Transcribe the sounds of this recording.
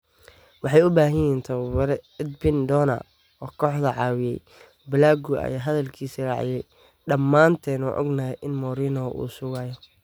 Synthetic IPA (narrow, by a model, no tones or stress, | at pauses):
wɑħɑjʊbaːɦɐjɛːnt̪ʰɐwwɛɾɛɛd̪bɪnd̪ɔːnɐ̰ | ɔːkʰɔːħðɐʕɑːwɪjɛj | bɪlaːɡʊʔɐ̰jaːɦɐðɐlkʰiːsirɑ̰ʕɪ̰jɛj | ɖɐmːaːnt̪ʰɛːnɔːʔɔ̰ɡnaːjɛʔɪnmɔːɾiːnɔʔṵːsʊɣaːjɔ